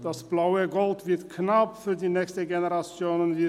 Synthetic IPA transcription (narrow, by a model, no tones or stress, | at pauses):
d̥asb̥laʊəɡɔltvɪɐtkʰnapfyːɐdiːnɛːçstəɡenəʁat͡sjoːnənvi